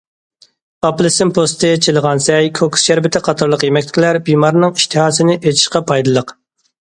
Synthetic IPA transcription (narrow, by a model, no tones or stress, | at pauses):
ɑplˠɨsɪmpʰost̪ʰɨt͡ʃʰilˠəʁɑnsɛjkʰoksʃæɾbɪt̪ʰɪqʰɑt̪ʰɑɾlˠəqjemɛkʲt̪ɪ̥kʲʰilæɾbimɑɾnɨŋiʃt̪ʰɨhɑːsɨnɪʔet͡ʃʰi̥ʃqɑpʰɑjd̪ɨlˠəq